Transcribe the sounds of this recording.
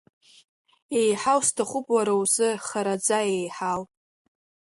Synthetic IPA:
ejħawstʰaχʷʊpʼwaɾawzɨχaɾad͡zaejħawʼ

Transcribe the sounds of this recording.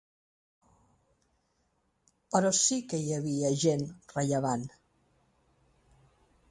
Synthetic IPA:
pəɾɔsikəiəβiəʒenrəʎəβan

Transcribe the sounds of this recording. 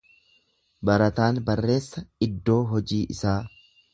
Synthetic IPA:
bɐɾɐt̪aːnbɐrːe̞ːsːɐɪd̪ːo̞ːɦɔd͡ʒiːʔɪ̰saː

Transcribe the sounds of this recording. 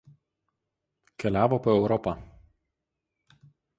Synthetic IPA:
kʲɛlʲæːʋoːpoːɛʊɾɔpɐ

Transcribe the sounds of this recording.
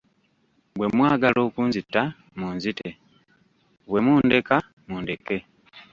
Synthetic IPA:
bwe̞mwaːɡalo̞ːkuːnzitːa | muːnzite | βwe̞muːnde̞ka | muːndeke̞

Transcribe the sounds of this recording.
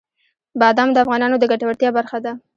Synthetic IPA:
bɑd̪amd̪əafɣɑnɑnod̪əɡaʈawəɽt̪jɑbaɾxad̪a

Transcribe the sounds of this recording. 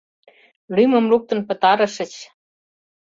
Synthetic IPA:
lymɤ̆mluk̚t̪ɤ̆npɤ̆t̪ɑɾɤ̆ʃə̆t͡ɕ

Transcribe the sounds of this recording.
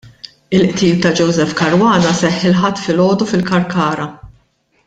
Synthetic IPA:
ɪlʔt̪iːlt̪ɐd͡ʒɔwzɛfkɐɾwɐːnɐsɛħːɪlħɐt̪ːfɪlɔːd̪ufɪlkɐɾkɐːɾɐ

